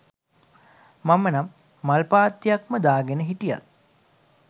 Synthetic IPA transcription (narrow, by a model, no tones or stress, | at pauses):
mamənamː | alpaːt̪ːijakməd̪aːɡenəɦiʈija̰t̪̚